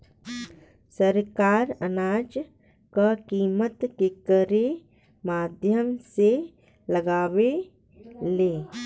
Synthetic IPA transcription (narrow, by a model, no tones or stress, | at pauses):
səɾkaːɾənaːd͡ʒ | kakiːmət̪kekəɾe | maːd̪ʱjəmse | ləɡaːwe | leː